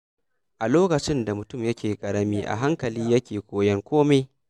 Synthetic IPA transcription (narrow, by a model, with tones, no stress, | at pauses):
ʔa˨loː˦kɐ˨t͡ʃɪ˦nda˨mʊ˨tʊ˦˨mjɐ˦kʲʰeː˨kʼɐ˨ɽɐ˦miː˦ʔa̰˨ɦa˦ŋkɐ˨liː˦jɐ˦kʲeː˨kʷoː˨jɐ˦ŋkʷoː˦ma˦j